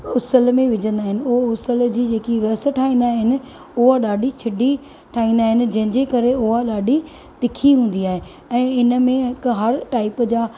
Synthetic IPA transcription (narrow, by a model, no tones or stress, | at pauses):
ʊsəlmẽʋɪd͡ʑə̃nd̪aːɦɪnɪ̆ʊɦʊsəld͡ʑiːd͡ʑeːkiɾɐsʈʰaːɦĩːnd̪aːɦɪnɪ̆ | ʊɦaɗaːɖʱit͡ɕʰɐɖʱi | ʈʰaːĩːnd̪aːɦɪnɪ̆d͡ʑɐ̃ɦɪ̃ɲd͡ʑekɐɾeʊɦaɗaːɖʱi | t̪ɪkʰiɦũːn̆d̪iaːɦe | ɛ̃ːɪnə̆mẽɦɪkɦɐɾʈaːɪpd͡ʑaː